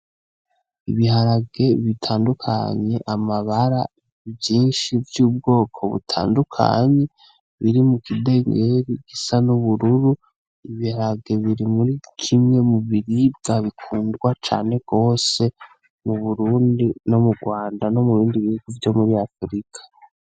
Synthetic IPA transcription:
iβiɦaɾaɡe̞βitʰaːndukʰa̰ɲe̞ʔamaβaɾa̰ | vjiːnʃivjuːb̚ɡo̞ːkʰo̞̰βṵtʰa̰ːndukʰa̰ɲe̞ | βiɾimukide̞ŋɡeɾiɡ̥isanuβuɾuɾu | iβihaɾaɡe̞βiɾimuɾikʰimŋe̞muβiɾib̚ɡ̥aβikʰuːndwat͡ʃa̰ːne̞ɡ̥o̞ːse̞ | nuβuɾuːndino̞muɡwaːndano̞muɾuːndiβihuɡ̥uvjo̞muɾiafɾikʰḁ

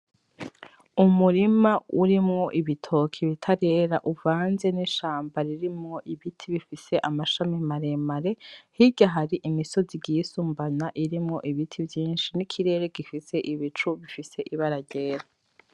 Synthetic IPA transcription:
umuɾimauɾimŋo̞ʔiβitʰo̞kʰiβitʰaɾe̞ːɾaʔuvaːnze̞niʃaːmbaɾiɾimŋo̞ʔiβitʰiβifise̞ʔamaʃamimaɾemaɾe̞hiɟaɦaɾiʔimiso̞ziɟiːsuːmbanaʔiɾimŋo̞ʔiβitʰivjiːnʃinikʰiɾe̞ːɾe̞ɡifise̞ʔiβit͡ʃuβifise̞ʔiβaɾaɟeːɾa

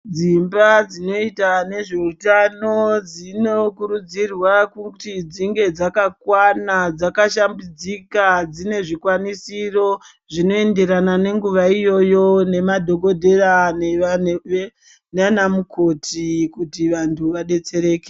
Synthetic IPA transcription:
d͡zimbad͡zino̞itane̞ʐe̞utano̞d͡zino̞kuɾud͡zirwakutid͡ziŋɡe̞d͡zakakwanad͡zakaʃambid͡zikad͡zine̞ʐikwanisiro̞ | ʐino̞e̞nde̞ɾanane̞ŋɡuʋaijo̞jo̞ne̞madʱo̞ɡo̞dʱe̞ranee | nanamuko̞tikutiʋantʰuʋaɗe̞t͡se̞ɾe̞ːke̥

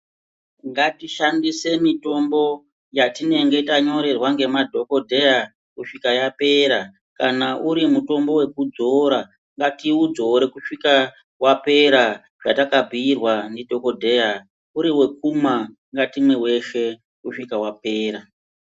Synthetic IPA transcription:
ŋɡatiʃandise̞mito̞mbo̞ | jatine̞ŋɡe̞taɲo̞ɾe̞rwaŋɡe̞madʱo̞ko̞dʱe̞ja | kuʂikajape̞ɾa | kanaʔuɾimuto̞mbo̞we̞kud͡zo̞ɾa | ŋɡatiud͡zo̞ɾekuʂika | wape̞ɾa | ʐatakabʱiirwanidʱo̞ko̞dʱe̞a | uɾiwe̞k̚uma | ŋɡatimwewe̞ʃe̞ | kuʂikawape̞ːɾa

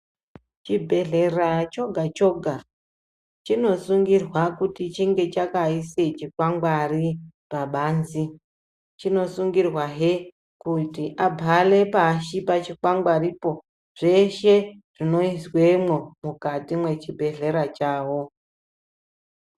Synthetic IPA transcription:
t͡ʃibʱe̞ɮerat͡ʃo̞ɡʱat͡ʃo̞ɡʱa | t͡ʃino̞suŋɡirwakutit͡ʃiŋɡe̞t͡ʃakaiset͡ʃikwaŋɡwaripaɓaːnzi | t͡ʃino̞suŋɡirwaɦe | kutiʔabʱale̞paʃipat͡ʃikwaŋɡaripo̞ | ʐ̥e̞ʃe̞ʐ̥ino̞iswe̞mwomukatimwe̞t͡ʃibʱe̞ɮe̞ɾat͡ʃaːwo̞

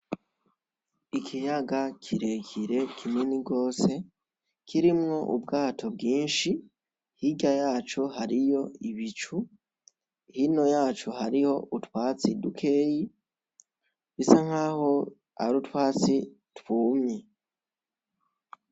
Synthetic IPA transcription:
ikʰijaɡakʰiɾe̞kʰiɾe̞kʰiminiɡo̞ːse̞ | kʰiɾimŋo̞ʔubɡaːtʰo̞b̚ɡiːnʃi | hiɟajaːt͡ʃoɦaɾijo̞iβit͡ʃu | hino̞jaːt͡ʃohaɾiho̞ʔutwaːt͡sidukʰe̞ːji | βisaŋ̥aːho̞ | a̰ɾutwaːt͡si | twuːmɲe

